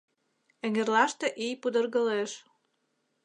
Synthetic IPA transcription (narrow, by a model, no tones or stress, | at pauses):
ə̆ŋerlɑʃt̪ĕʔijpud̪ɤ̆rɣəleʃ